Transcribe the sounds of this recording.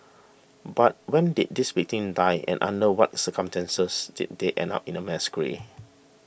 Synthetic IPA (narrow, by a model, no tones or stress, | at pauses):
bat̚wɛ̃ndit̚diswik̚tĩŋdajʔɛ̰̃nʔã̰ndəwɔ̰t̚səkɔ̃mstɛ̃nsəsd̥ḭt̚deʔɛ̰̃nda̰pĩnəmɛskəɹḭ